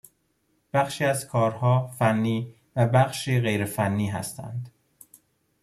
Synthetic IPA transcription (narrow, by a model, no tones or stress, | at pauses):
b̥æχʃiːæzkʰɒːɾhɒːfænːiː | væbæχʃiːɣe̞jɾefænːiːɦæ̰st̪ʰæ̰nd̪